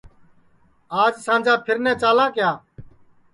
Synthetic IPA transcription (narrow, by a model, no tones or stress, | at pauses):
aːd͡ʒsãːnd͡ʒãːpʰɪɾnɛ̃ːt͡ʃaːlãːkɪjaː